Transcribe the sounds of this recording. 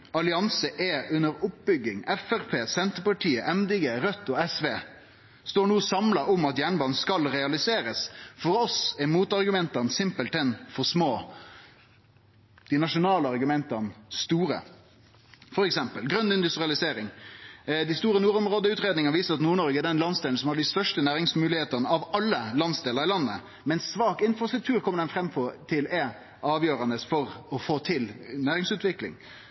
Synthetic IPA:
ɑlɪɑnsəʔɛʉnːəɾʊp̚bʏɡːɪŋɛfæɾpʰeːsɛnt̪əpɑʈʰiːəʔɛmd̪ɪɡeɾœt̪ːɔɛsʋeː | st̪oːɳuːsɑmlɑʔʊmɑt̪jæːɳbɑːnskɑlɾɛɑlɪseːɾəsfɔɾɔsɛmuːt̪ɑɾɡʉmɛnt̪ɑnsɪmpəlt̪ɛnfɔsmoː | d̪̥ɪnɑʂʊnɑːləɑɾɡʉmɛnt̪ɑnst̪uːɾə̰ | fɔɾɛksɛmpəlɡɾœnːɪnd̪ʉst̪ɾɪɑlɪseːɾɪŋ | d̪ɪst̪uːɾənuːɾɔmʁoːd̪əʉːt̪ɾeːd̪nɪŋəɑʋiːsəɾɑt̪nuːɳɔɾɡəɛɖ̪ɛnlɑnsd̪eːlsɔmhɑɖɪst̪œʂʈənæːɾɪŋsmʉːlɪheːt̪ənəɑʋɑlːəlɑnsd̪eːləɾɪlɑnːə | mɛnsːʋɑːkɪnfɾɑst̪ɾʉk̚t̪ʰʉːɾkʰɔmːəɖɛnfɾɛmːfɔt̪ʰɪlɛ | ʔɑːʋjøːɾɑnd̪əsfɔɾɔfoːt̪ʰɪlnæːɾɪŋsʉːt̪ʋɪklɪ̰ŋ

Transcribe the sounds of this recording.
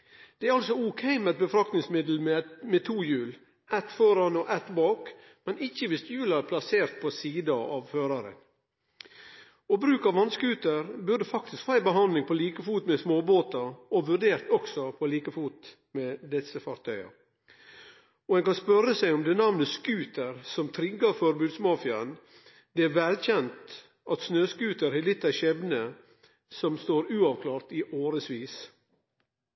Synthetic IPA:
d̪̥ɛæɾɑlsɔʊkʰɛɪmɛt̪̚bəfɾɑkt̪nɪŋsmɪd̪l̩mɛmɛt̪ʰuːjʉːl | ɛt̪fɔɾɑnɔʔɛt̪bɑːk | mɛnɪçːəʋɪst̪jʉːlɑæɾpʰlɑseːɾt̪̚pʰɔsiːd̪ɑɑ̰ːʋføːɾɑɾə̰n | ɔbɾʉːkɑʋɑnskʉːt̪əɾbʉdəfɑkt̪ɪskfɑːæɪbəɦɑnd̪lɪŋpʰɔliːkəfuːt̪mɛsmoːboːt̪ɑɔʋʉɾɖeːɾt̪ɔksɔpʰɔliːkəfuːt̪ | mɛd̪ɛsəfɑɾt̪ʰœʏɑ̰ | ɔɛnkɑnspœɾəsæɪɔmd̪ɛnɑʋnəskʉːt̪əɾsɔmt̪ʰɾɪɡːɑfɔɾbʉːd̪smɑːfɪɑən | d̪ɛæɾʋɛlc͡çɛnt̪ | ʔɑt̪snøːskʉːt̪əɾhɛlɪt̪ːæçɛbnə | sɔmst̪oːɾʉːɑʋkʰlɑːɾt̪iʔoːɾəsʋiːs

